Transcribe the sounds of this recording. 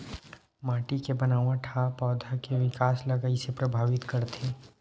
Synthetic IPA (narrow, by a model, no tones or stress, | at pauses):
maːʈikebɐnaːʋãʈʰapɔːd̪ʱakeʋɪkaːslɐɡəisepɾɐbʱaːʋɪt̪kɐɾt̪ʰeː